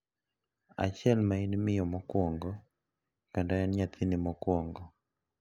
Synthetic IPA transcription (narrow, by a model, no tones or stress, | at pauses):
a̰t͡ʃjɛlmainmɪjɔmɔkwɔŋɡɔ | kandaɛnɲat̪ʰinimɔkwɔŋɡɔ